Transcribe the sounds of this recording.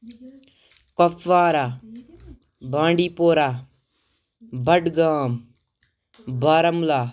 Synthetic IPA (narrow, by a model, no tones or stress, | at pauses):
kɐfʋaːɾaː | bʱãːɳɖiːpoːɾaː | bʱɐɖɡaːm | baːɾɐmlaː